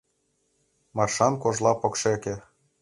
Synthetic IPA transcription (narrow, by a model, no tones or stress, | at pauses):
mɑrʃɑnkoʒlˠɑpŏkʃekĕ